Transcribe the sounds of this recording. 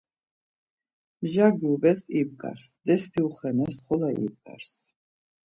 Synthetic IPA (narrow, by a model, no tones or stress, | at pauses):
ʒaɡiubɛsib̚ɡʼa̰ɾsd̪ɛst̪ʰiuχɛnɛsχɔlaʔḭb̚ɡʼa̰ɾs